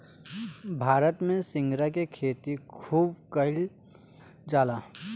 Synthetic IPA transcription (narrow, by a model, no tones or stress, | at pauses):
bʱaːɾət̪mẽsɪ̃ŋɡɾakekʰeːt̪ikʰuːbkəɪl | d͡ʒaːlaː